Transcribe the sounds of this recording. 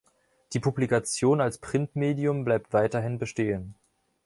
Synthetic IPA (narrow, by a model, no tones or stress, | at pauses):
d̥iːpʰublikat͡sjoːnalspʁ̥ɪntmeːdiʊmblaɪp̚tv̥aɪtɐɦɪnbəʃteːən